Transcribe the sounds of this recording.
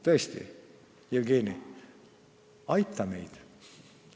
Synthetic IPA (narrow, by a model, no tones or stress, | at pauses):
t̪ɤest̪ḭ | jelɡeːni | ɑjt̪ːˑɑme̞̰jd̪̥